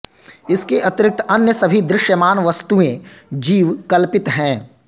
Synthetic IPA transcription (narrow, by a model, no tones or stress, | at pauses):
ɪskeʔɐt̪ɪɾɪk̚t̪ɐnjəsɐbʱid̪ɾɪʃjəmaːnʋɐst̪uẽd͡ʒiːʋkɐlpɪt̪ɦɛ̃ː